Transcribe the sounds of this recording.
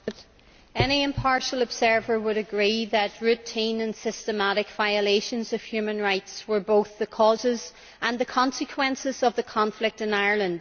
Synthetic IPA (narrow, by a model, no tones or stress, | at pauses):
ɛniɪ̃mpʰɑɹʃəlˠəbz̥ɜ˞və˞wəɾɨɡɹiðət̚ɹʉtʰĩnə̃nsɪstəmaɾɪkv̥aɪəleɪʃə̃nzəv̥hjʉmə̃nɹaɪtswə˞boʊθðəkʰɔzɪz | ʔə̃nðəkʰɑ̃nsɨkʰw̥ɛ̃nsɪzəvðəkʰɑ̃ɱflɪk̚tɨ̃naɪə˞lˠə̃nd̥